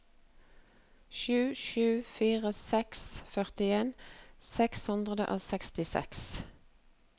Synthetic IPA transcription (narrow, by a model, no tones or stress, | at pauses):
ʃʉːʃʉːfiːʁəsɛksfœʁt̪ɪeːnsɛkshʉnd̪ʁəd̪ə̰ʔo̰ːsɛkst̪ɪsɛ̰ks